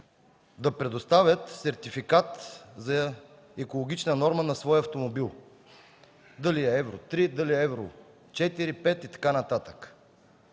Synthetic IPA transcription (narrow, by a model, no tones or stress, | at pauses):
d̪ɐpɾɛd̪ost̪avʲət̪sɛɾt̪ifikat̪zɐ | ɛkolˠoɡ̟it͡ʃnənɔɾmənɐsvɔjɐft̪omobilˠ | d̪əliɛɛvɾot̪ɾid̪ɐliɛɛvɾo | t͡ʃɛt̪iɾipɛt̪it̪ɐ̥kanɐt̪at̪ə̥k